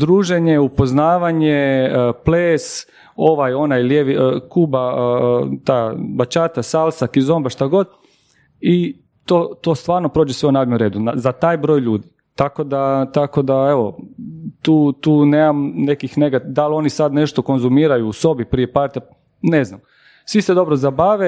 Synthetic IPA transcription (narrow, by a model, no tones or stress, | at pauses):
d̪ɾuːʒeɲeupo̞znaːʋaɲepleːs | o̞ʋajo̞najljeʋikuːba | t̪aːbat͡ʃaːt̪asalsakizo̞mbaʃt̪aɡo̞d̪ | i | t̪oːt̪o̞st̪ʋaːɾno̞pɾo̞ːd͡ʒesʋeunaːd̪memɾe̞ːd̪unazat̪aːjbɾo̞ːjʎuːd̪i | t̪ako̞d̪at̪ako̞d̪aeʋo̞t̪uːt̪uːneːmamnekixneɡat̪d̪alˠo̞nisad̪ne̞ʃt̪o̞ko̞nzumiːɾajuːso̞bipɾijepaɾt̪a | neznam | sʋised̪o̞bɾozabaːʋe